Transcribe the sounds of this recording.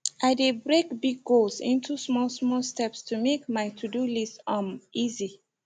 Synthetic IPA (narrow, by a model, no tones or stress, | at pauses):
ʔaɪdebɹekbiɡːolsḭ̃ntusmɔlsmɔlstɛpstʰumekmaɪtʰudulistʌ̃mizi